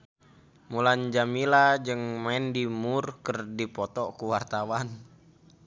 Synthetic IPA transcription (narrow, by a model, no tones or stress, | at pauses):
muland͡ʒamilad͡ʒɨŋmaɛndimurkərdipɔt̪ɔkuwart̪awan